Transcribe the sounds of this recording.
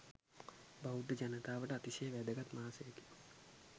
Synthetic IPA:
baud̪əd͡ʒanət̪aːʋəʈəat̪isejəʋæd̪əɡat̪maːsejke̥

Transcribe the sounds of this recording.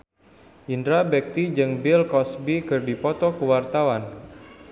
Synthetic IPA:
ʔindɾabɛk̚t̪id͡ʒɨŋbɪlkɔsbikɨrdipɔt̪ɔkəwart̪awan

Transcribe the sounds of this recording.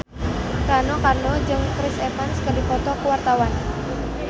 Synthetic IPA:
kanokarnod͡ʒɨŋkɾɪsemanskədipɔt̪ɔkəwart̪awan

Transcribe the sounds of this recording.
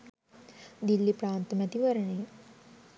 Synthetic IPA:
d̪ilːipɾaːnt̪əmɛt̪iʋɐɾəɳe

